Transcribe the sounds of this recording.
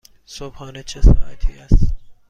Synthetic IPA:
sobhɒːnet͡ʃʰesɒ̰ːha̰t̪ʰiːæs

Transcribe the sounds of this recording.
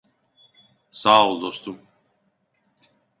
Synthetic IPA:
saːulˠd̪ost̪um

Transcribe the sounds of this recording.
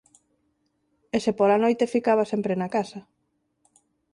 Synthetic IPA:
esepolanojt̪efikaβasempɾenakasɐ

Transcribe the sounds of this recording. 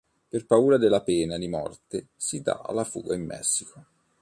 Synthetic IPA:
perpauːɾad̪elːapɛːnad̪imɔ̰rt̪esid̪a̰a̰lːafṵːɡaimːɛ̰sːiko

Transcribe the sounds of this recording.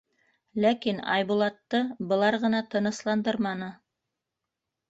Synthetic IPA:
lækinɑ̰jβulˠɑt̪ːɤbɤ̆lˠɑɾʁɤ̆nɑt̪ɤ̆nɤ̆slˠɑnd̪ɤɾmɑnɤ

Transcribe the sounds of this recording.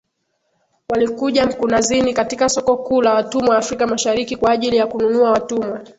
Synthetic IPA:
walikuʄam̩kunazinikatikasɔkɔkuːlawatumwaːfɾikamaʃaɾikikwaːʄilijakununuawatumwa

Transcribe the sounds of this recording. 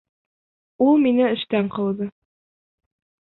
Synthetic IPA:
ulˠminɘɘ̆ʃt̪æɴqɤ̆wðɤ

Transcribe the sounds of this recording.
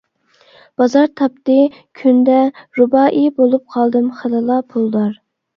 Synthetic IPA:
b̥ɑzɑɾt̪ʰɑp̚t̪ɨ | kʲʰynd̪ɛɾubɑːʔibolˠup̚qʰɑlˠd̪ɨmχəlɨlˠɑpʰulˠd̪ɑɾ

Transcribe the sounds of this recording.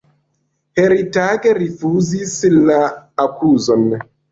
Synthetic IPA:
heɾitaɡeɾifuzislaːkuzon

